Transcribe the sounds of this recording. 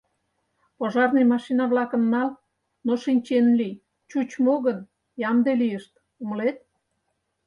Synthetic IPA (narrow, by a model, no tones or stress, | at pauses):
poʒɑrnejmɑʃinɑβlɑkənːɑl | noʃinʲt͡ɕenlij | t͡ɕut͡ɕmoɣən | jɑmd̪elijəʃt̪ | uməlet̪̚